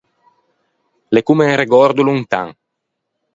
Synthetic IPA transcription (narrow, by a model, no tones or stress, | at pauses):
lekumeŋreɡɔɾd̪ulunt̪a̰ŋ